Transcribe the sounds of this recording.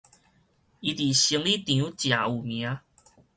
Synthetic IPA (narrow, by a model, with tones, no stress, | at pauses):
i˧˦t̪i˨˩ɕi˧˦ŋli˥˦t̪ĩ˨ũ˨˦t͡ɕja˨˩u˨˩mja˨˦